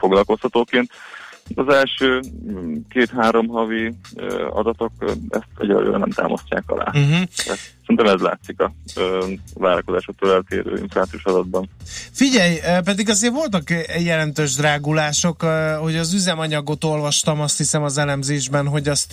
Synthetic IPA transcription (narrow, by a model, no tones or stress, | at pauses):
fo̞ɡlɒlko̞sthɒt̪oːkeːnt̪t̪ɒzɛlʃøːkeːt̪ɦaːɾo̞mɦɒvi | ɒ̰d̪ɒt̪o̞kɛ̰st̪ɛ̰ɟɾɒ̰ɡo̰ːɾɛ̰nɛ̰mt̪a̰ːmɒsca̰ːkɒ̰la̰ːɦ̩ɛtɛɾint̪ɛmɛzla̰ːt̪sikɒ | vaːɾɒkozaːʃok̚t̪ːoːlɛlt̪ḛːɾø̰ːḭɱflaːt̪sijuʃɒd̪ɒd̪̚bɒnfiɟɛjp̬ɛd̪iɡɒzeːrvo̞lt̪ɒkjɛlɛnt̪øːʒd̪raːɡulaːʃo̞kho̞ɟɒzyzɛmɒɲɒɡo̞t̪o̞lvɒʃt̪ɒmɒst̪hisɛmɒzɛlɛmzeːʒbɛnɦo̞ɟɒst̪